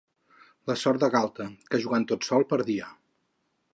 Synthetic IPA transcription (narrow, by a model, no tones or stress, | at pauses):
ləsɔɾt̪d̪əɣalˠt̪əkəʒuɣant̪ot̪sɔlˠpəɾðia